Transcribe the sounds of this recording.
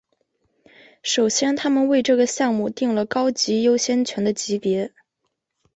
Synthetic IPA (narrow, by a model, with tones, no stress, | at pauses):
ʂo˨˩ʊɕjɛ˥nt̪ʰa˥mə˨nwe˥˧ɪʈ͡ʂɤ˥˩ɡə˩ɕjɑ˥˧ŋmu˥˧t̪i˥˩ŋlə˩kɑ˥ʊt͡ɕi˧˥jo˥ʊɕjɛ˥nt͡ɕʰɥɛ˧˥nd̪ə˧t͡ɕi˧˥pjɛ˧˥